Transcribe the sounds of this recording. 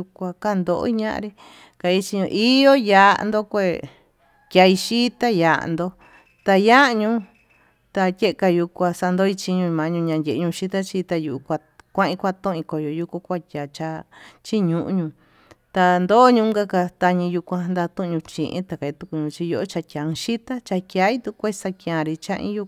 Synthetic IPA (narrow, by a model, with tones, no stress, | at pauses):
u˧kʷã˧ka˦˧nd̪o˧˨o̰˦i˦ɲã̰˦ʔã̰˧ɾi˦ | ka˧i˧˦t͡ʃi˧ɲũ˧ʔi˦jo˦ja̰˧nd̪o˦kʷe˦˧˨ | kʲa˧i˧ʃi˦t̪a˦ja̰˧˨˧nd̪o˧ | t̪a˧ja˦˧ɲũ˧˦ | t̪a˧tʲe˦ʔe˧ka˧ju˧kʷa˧sa˧nd̪o˦i˧t͡ʃi˧ɲũ˧mã˧ɲũ˧ɲã˧dʲe˨ʔɲũ˧ʃi˦t̪a˦t͡ʃi˧t̪a˧ju˧˨u˧kʷa˧ | kʷã˦ʔĩ˧kʷa˦˧t̪õ˦˧ĩ˧ko˧jo˧ju˧ku˧kʷa˦˧tʲa˨t͡ʃa˧t͡ʃi˦ɲũ˧ʔṵ˧ɲũ˧ | t̪a˧nd̪o˦ɲũ˧ŋɡa˦ka˧t̪a˧ɲĩ˧ju˧kʷã˧nd̪a˧t̪ũ˦ʔɲũ˧t͡ʃḭ˧ʔḭ̃˦t̪a˨˧ka˨i˧t̪u˧ku˧ɲũ˧t͡ʃi˧jo˧˦ʔo˦t͡ʃa˧kʲã˨˧ʃi˦t̪a˦t͡ʃa˧kja˧i˦t̪u˧kʷe˦˧sa˧kj̃ã˧˨ɾi˧t͡ʃã̰˦ʔḭ̃˦ju˧